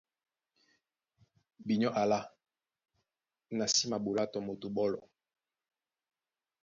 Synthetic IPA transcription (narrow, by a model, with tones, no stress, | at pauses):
bi˨ɲɔ˦ʔa˨la˦ | na˨si˦ma˨bo˨la˦tɔ˨mo˨to˨bɔ˦lɔ̰˨